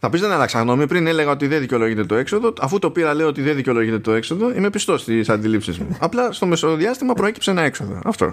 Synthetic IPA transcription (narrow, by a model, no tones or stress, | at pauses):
θɐpizðenɐlɐksɐɣno̞mipɾine̞le̞ɣɐo̞t̪iðeðiceo̞lo̞ʝit̪e̞t̪o̞e̞kso̞ðo̞ɐfut̪o̞piɾɐle̞io̞t̪iðeðiceo̞lo̞ʝit̪et̪o̞e̞kso̞ðo̞ime̞pist̪o̞st̪isɐnd̪ilipsizmṵɐplɐst̪o̞me̞soðiɐst̪imɐpɾo̞e̞ci̥pseenɐe̞kso̞ðo̞̰ɐ̰ft̪o̞̰